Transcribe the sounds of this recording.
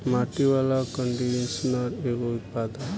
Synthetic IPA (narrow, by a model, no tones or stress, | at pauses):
maʈiʋalakəɳɖiesnəɾekoʊt̪̚pad̪ən